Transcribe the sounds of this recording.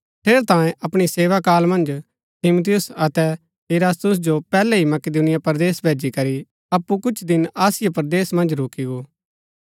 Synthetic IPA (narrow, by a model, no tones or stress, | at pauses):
ʈ̪ʰeːɾt̪ãːjẽʔɐpɽ̃iseːʋakaːlmɐ̃nd͡ʒ | t̪ʰɪmut̪ɪjʊsɐt̪ɛ | eɾaːst̪ʊs̬d͡ʒopɛːlɛɦimɐkɪd̪uːnɪjapɐɾd̪eːsbʱeːd͡ʒikɐɾi | ɐpːukʊt͡ʃʰd̪ɪnaːsɪjapɐɾd̪eːsmɐ̃nd͡ʒɾoːkiɡoː